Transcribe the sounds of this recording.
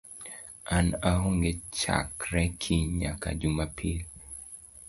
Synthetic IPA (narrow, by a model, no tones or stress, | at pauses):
ʔanaɦɔŋɡɛt͡ʃa̰kɾɛkʰiɲaka̰ʄumapʰili